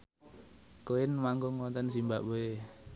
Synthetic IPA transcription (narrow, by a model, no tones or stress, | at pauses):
koɪnmaŋɡʊŋwɔnt̪ɛns̬imba̰ʔboe